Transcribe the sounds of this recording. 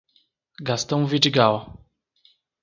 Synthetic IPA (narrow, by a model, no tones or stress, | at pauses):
ɡast̪ɐ̃w̃vid͡ʒiɡaw